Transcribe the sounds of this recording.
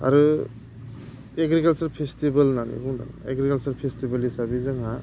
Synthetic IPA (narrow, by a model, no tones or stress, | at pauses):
ə̰ɾ | eɡɾikəlt͡ʃəɾpʰesʈibəlnanḭɡũna̰neɡɾikəlt͡ʃəɾpʰesʈibəlɦisabid͡ʒʌŋɦã